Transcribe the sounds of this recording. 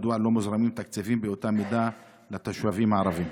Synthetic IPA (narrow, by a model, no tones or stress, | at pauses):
d̪walːomʊzɾˤɑmiːmt̪akt͡seviːmbeot̪amid̪a | lat̪aʃwaviːmaʕɾˤɑviːm